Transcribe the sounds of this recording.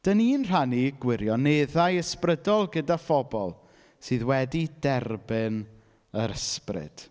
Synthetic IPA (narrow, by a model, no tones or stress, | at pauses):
d̥əniːnr̥aniɡwɪɾjɔneðajəsprədɔlˠɡədafɔbɔ̰lˠ | sɨːðwɛdidɛrbɪn | əɾəsprɪ̰d̥